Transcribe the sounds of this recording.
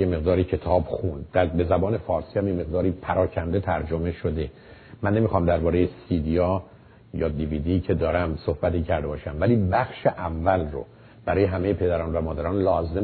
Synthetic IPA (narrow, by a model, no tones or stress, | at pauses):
eme̞ɣd̪ɒːɾicʰe̞t̪ʰɒːbxund̪d̪æbe̞zæbɒːne̞fɒːɾsiːhæmjeme̞ɣd̪ɒːɾiːpʰæɾɒːcʰænd̪e̞t̪ʰæɾd͡ʒome̞ʃod̪e̞ | mænːe̞mixɒːmd̪æɾbɒːɾejesid̪iɒː | jɒːd̪iviːd̪iːcʰe̞d̪ɒːɾæmsohbæt̪iːcʰæɾd̪e̞bɒːʃæmvæliːbæxʃeʔævːælro̰ | b̥æɾɒːjeɦæme̞jepʰe̞d̪æɾɒːnvæmɒːd̪æɾɒːnlɒːze